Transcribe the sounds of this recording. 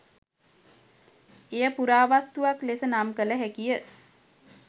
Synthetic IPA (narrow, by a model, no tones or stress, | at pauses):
ejəpuɾaːʋast̪uʋaklesənamkələɦækijə